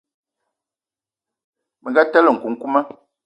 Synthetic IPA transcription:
mə˨ŋɡa˦tɛ˦lə˨ŋ̩˨ku˨ŋ̩˦ku˦mə˦

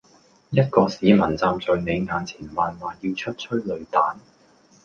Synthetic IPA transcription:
jɐ˥t̚kɔː˧siː˨˥mɐ˨˩nt͡saː˧mt͡sɔː˨jne˨˧jŋaː˨˧nt͡sʰiː˨˩nmaː˨˧nmaː˨˩jiː˧wt͡ʃʰɵ˥t̚t͡ʃʰɵ˥lɵ˨˧ɥt̪aː˨˥n

